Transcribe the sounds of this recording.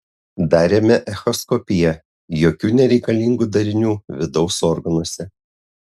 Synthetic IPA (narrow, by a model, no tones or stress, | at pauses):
d̪ɑːɾʲeːmʲɛʔɛxɔskɔpʲɪjɛ | joːkʲuːnʲɛɾʲɛɪkɐlʲiŋɡuːd̪ɐɾʲɪnʲuːʋʲɪd̪ɒʊsɔːɾɡɐnuɔsʲɛ